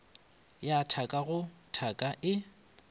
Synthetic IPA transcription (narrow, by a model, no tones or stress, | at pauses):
jatʰakʼaɣʊtʰakʼaʔɪ